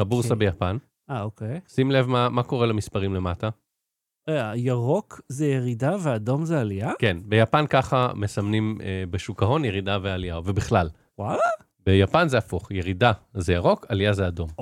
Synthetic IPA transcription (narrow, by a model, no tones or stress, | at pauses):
abuʁsabejapan | aokejsimle̞vmamako̞ʁelamispaʁimle̞mata | eajaʁokzejeʁidaveado̞mzealiakenbe̞japankaχame̞samnimbeʃukaɦo̞njeʁidavealijavebiχlal | wala | bejapanzeafuχjeʁidazejaʁo̞kalijazeado̞m